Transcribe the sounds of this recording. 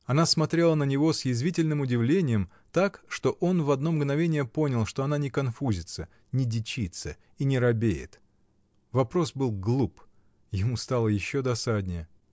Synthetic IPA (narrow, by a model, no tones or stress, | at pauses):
ɐnasmɐt̪ɾʲelˠənənʲɪvo̞sjɪzvʲitʲɪlʲnɨmʊdʲɪvlʲenʲɪjəm | t̪akʂt̪o̞ʔo̞nvɐd̪no̞mɡnɐvʲenʲɪjəpo̞nʲəlˠʂt̪o̞ɐnanʲɪkɐnfuzʲɪt̪sə | nʲɪdʲɪt͡ɕit̪sə | inʲɪɾɐbʲejɪ̰t̪ | vɐpɾo̞sbɨlˠɡlˠup | jɪmust̪alˠəjɪɕːod̪ɐsad̪ʲnʲɪjə